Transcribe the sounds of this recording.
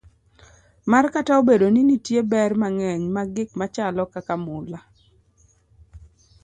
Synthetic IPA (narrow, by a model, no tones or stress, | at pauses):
markataobedoninitjebɛrmaŋɛɲmaɡɪkmat͡ʃalɔkakamʊla